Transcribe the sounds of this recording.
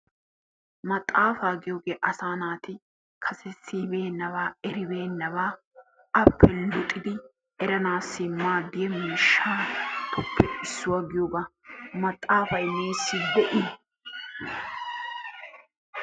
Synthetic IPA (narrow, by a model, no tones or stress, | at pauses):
mɐt̪ʼːaːfaːɡɪjoːɡeːʔɐsaːnaːt̪ɪ | kʰɐsɛsiːbeːnːɐβaːɛɾɪbe̞ːnːɐβaː | ɐpːɛlʊt̪ʼɪd̪ɪ | ɛɾɐnaːsːɪmaːd̪ɪjɛmɪʃːaːt̪ʰɔpʰːɛɪsːʊwaɡɪjoːbɐmɐt̪ʼːaːfɐjmeːsːɪb̪ɛʔɪ